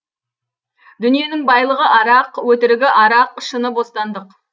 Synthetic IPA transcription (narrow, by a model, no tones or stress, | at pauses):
d̪̥ʏnije̞nɪŋbɑjlˠəʁəʔɑɾɑqwɵt̪ɪɾɪɡʲɪʔɑɾɑq̚əʃənəbo̞st̪ɑnd̪əq